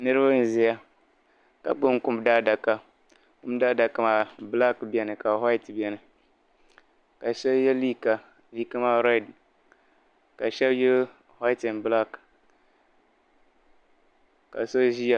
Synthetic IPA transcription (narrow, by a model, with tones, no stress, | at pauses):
nɨ˦ɾɨ˦ba˦n̩˨zɪ˦ja˦ | ka̰˨k͡pʊ˦ŋkʊ˦mda˦da˨ka˦ | kʊ˦m˦da˦da˨ka˦maː˨bla˦kbɛ˨nɨ˨ka˨ha˦i˦tbi˨ɛ˨nɨ˨ | ka˨ʃɛ˦bjɛ˦li˦ka˨ | li˦ka˦maː˦ɾɔ˦˨d | ka˨ʃɛ˦bjɛ˦l | ha˦ɪ˦tɪ˨nbla˦k | ka̰˨so˦ʒi˦ja˨